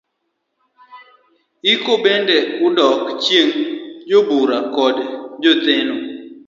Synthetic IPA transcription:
ikobendeʊdɔkt͡ʃjeŋd͡ʒobuɾakɔdd͡ʒot̪ɪnɔ

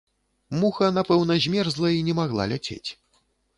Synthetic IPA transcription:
muxɐnapɛwnɐzʲmʲɛrzlˠɐinʲɛmaɣlˠa̰lʲat͡sʲḛt͡sʲ

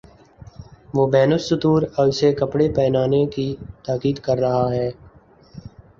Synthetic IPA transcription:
ʋoːbɛːnʊsːʊt̪uːɾɔɪsekɐpɽepɛːnaːnekit̪aːkiːd̪kɐɾːɐɦaɦɛː

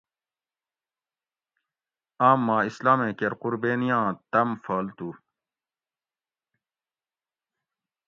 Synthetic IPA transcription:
aːmːãːislaːmẽːkeɾquɾbeːnijãːt̪ɐmfaːlt̪u

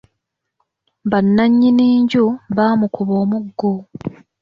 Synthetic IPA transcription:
banːaɲːiniːɲɟuβaːmukuβo̞ːmuɡːo

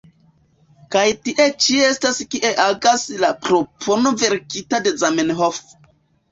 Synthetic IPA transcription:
kajtiʔe̞t͡ʃieestaskiʔe̞ʔaɡaslapɾo̞pʰo̞no̞ve̞ɾkitade̞zamenɦof

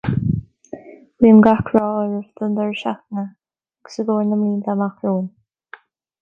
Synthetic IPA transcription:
wiːmɡakʰɹɔːəɹəvd̪ənd̪əɹʃaxnə | ɡ̥səɡoːɹnəmliːnd̪amaxɹuːn

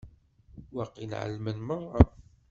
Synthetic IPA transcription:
wɑqːinʕə̰lːmənməʁˤːɑ

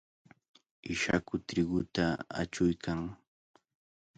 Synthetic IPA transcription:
ɪʃakʊt̪ɾɪɡʊt̪aa̰t͡ʃʊjkʰaŋ

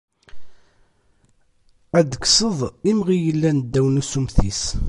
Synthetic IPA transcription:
æd̪kːsəðˤimʁijəlːænd̪ːæwnusumθis

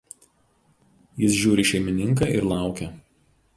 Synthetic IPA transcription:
jɪsʒʲuːɾʲɪʃʲɛɪmʲɪnʲɪŋkɑːˑɪɾlˠɑˑʊkʲɛ

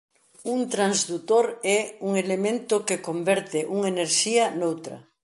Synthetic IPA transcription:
unt̪ɾanzðut̪oɾɛuŋelemẽnt̪ʊkekombɛɾt̪ɪʔuŋeneɾʃianowt̪ɾɐ̰

